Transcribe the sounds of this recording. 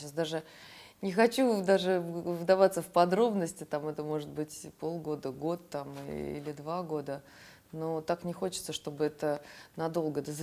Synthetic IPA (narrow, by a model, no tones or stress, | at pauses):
asd̪aʐɨ | nʲɪxɐt͡ɕud̪aʐɨvɨd̪ɐvat̪səfpɐd̪ɾo̞bnəsʲtʲɪt̪amɛt̪əmo̞ʐɨt̪̚bɨtʲpo̞lˠɡo̞d̪əɡo̞t̪ːam̰ḭlʲɪd̪vaɡo̞d̪ə | no̞t̪aknʲɪxo̞t͡ɕɪ̥t̪səʂt̪o̞bɨɛt̪ənɐd̪o̞lˠɡəɛt̪əz